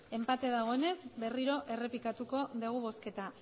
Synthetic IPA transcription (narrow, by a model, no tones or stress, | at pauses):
e̞mpat̪e̞ðaɣ̞o̞e̞nezbe̞riɾo̞ʔe̞re̞pikat̪uko̞ðeɣ̞uβ̞o̞ske̞t̪a